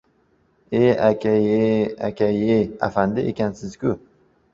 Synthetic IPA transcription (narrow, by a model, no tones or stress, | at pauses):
eakʲʰajea̰kʲʰajea̰fand̪ɪʔekʲansɪzkʲʊ